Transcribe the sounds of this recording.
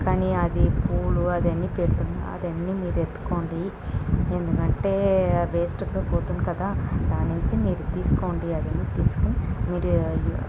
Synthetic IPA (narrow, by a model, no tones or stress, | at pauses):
kaːniːɐd̪ipuːluɐd̪ɐnːiːpeɽut̪unːa̰ɐ̰d̪ɐnːiːmiːɾet̪ːu̥ko̞ːɳɖi | e̞nd̪ukɐɳʈe̞ːbeːsʈukoːpoːt̪unːikɐd̪aːd̪aːnːuɲt͡ʃimiːɾut̪iːsu̥ko̞ːɳɖiɐd̪ɐnːiːt̪iːsu̥kunimiːɾu